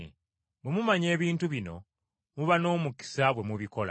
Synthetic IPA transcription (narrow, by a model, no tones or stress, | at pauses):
bemumaɲe̞ːβiːntuβino̞̰ | muβano̞ːmuki̥saβwe̞muβiko̞la̰